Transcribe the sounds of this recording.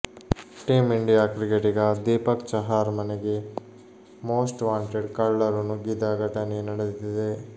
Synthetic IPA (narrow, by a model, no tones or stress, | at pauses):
ʈiːmiɳɖijaːkɾiɡeʈiɡɐd̪iːpɐkt͡ʃɐɦaːɾmɐneɡe | moːsʈʋaːɳʈeɖkɐɭːɐɾɐnuɡid̪aːɡɐʈɐnenɐɽet̪id̪e